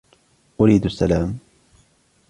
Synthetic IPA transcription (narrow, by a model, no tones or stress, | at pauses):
ʔʊɾiːd̪asːalaːm